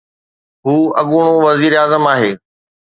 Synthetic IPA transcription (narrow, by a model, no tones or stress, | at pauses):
ɦuːɐɠʊɽ̃õʋɐziːɾaːzəmaːɦeː